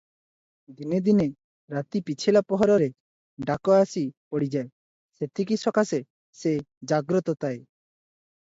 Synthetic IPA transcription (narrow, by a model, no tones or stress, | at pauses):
d̪ined̪ine | ɾat̪ipit͡ʃʰilapɔɦɔɾɔɾe | ɖakoasipoɽid͡ʒae | set̪ʰikisɔkase | sed͡ʒaɡɾɔt̪ɔt̪ae